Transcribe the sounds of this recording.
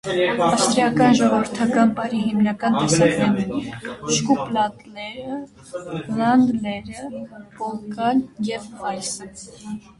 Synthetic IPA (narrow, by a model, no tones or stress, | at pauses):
ɑst̪ɾiɑkɑnʒɔʁɔvəɾt̪ʰɑkɑnpɑɾihimnɑkɑnt̪ɛsɑknɛɾnɛʃkuplɑt̪lɛɾə | lɑnd̪lɛɾəpɔlkɑljɛvmɑjsə